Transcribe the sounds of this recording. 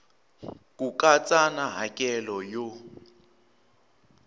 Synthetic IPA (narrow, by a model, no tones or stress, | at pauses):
kʼukʼat͡sʼanaɦakʼɛlɔjo